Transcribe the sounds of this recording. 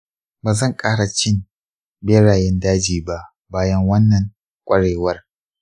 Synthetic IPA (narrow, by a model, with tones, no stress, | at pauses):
baː˨zɐ˦˨ŋkʼaː˦ɽa˨t͡ʃɪ˦n | beː˦ɽaː˨jɛ˦ndaː˦d͡ʒiː˨ba˦ʔ | baː˦jɐ˦ŋwɐ˦nːɐ˨ŋ | kʷʼɐ˦ɽeː˨wɐ˦r